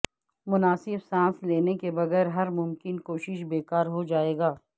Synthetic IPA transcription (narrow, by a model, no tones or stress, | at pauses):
mʊnaːsɪbsãːsleːnekebɐɣɛːɾɦɐɾmʊmkɪnkoːʃɪʃbeːkaːɾɦod͡ʒaːeːɡaː